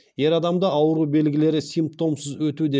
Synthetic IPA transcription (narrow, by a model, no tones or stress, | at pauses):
je̞ɾɑd̪ɑmd̪ɑʔɑwɾube̞lɡʲɪle̞ɾɪsijmp̚t̪o̞msɪzwɵt̪ud̪e